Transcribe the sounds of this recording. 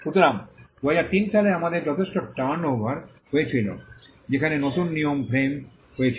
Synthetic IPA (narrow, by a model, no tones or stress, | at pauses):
ʃut̪oɾambojaɾt̪inʃʰaleamad̪eɾd͡ʑɔt̪ʰeʃʈoʈanobʱaɾ | ɦoet͡ɕʰilo̰ | d͡ʑekʰanenot̪unːijompʰɾem | ɦoet͡ɕʰi